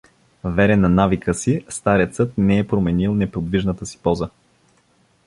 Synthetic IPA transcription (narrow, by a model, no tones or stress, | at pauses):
vɛɾɛnɐnavikəsist̪aɾɛt̪sɤt̪̚nɛɛpɾomɛnilˠnɛpod̪viʒnət̪əsi̥pɔzə